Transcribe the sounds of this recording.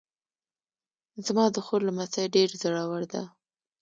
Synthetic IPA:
zmɑd̪əxoɾlamasajɖeɾzəɽawaɽd̪a̰

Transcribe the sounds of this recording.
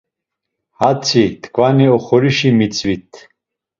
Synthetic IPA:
hat͡sʰit̪ʰkʰvaniɔχɔɾiʃimit͡sʼvit̪ʰ

